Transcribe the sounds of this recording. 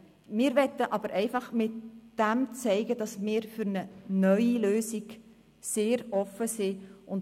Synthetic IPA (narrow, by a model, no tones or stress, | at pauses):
mɪːɾʋɛt̪əʔɑb̥əɾʔɛɪfɑχmɪtd̥æmt͡sɛɪɡəd̥ɑsmɪːɾfyɾnənœʏiløːsiɡ | seːɾɔfəsɪʔʊn